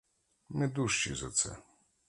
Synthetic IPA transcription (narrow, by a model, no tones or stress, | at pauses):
nɪd̪uʃt͡ʃḭzɐ̰t̪sɛ̰